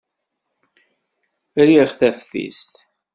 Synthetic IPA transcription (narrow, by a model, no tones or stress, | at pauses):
ɾiχθæfθḭst̪